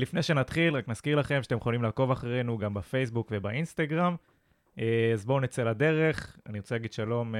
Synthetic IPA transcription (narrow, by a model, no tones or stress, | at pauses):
lifnejʃe̞nat̪χilʁaknaz̥kiʁlaχe̞mʃat̪ejχolimlaːko̞vaχaʁe̞nuɡambafejsbukve̞bainst̪aɡʁam | ezbonet͡selad̪e̞ʁe̞χa̰niʁot͡seaɡid̥̪ʃalo̞m